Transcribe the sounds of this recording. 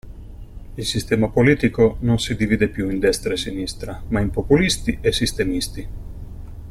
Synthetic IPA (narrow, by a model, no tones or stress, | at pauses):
ilsist̪ɛːmapoliːt̪ikononsid̪iviːd̪epjuind̪ɛst̪ɾaesinist̪ɾamaimpopulist̪iesːist̪emist̪i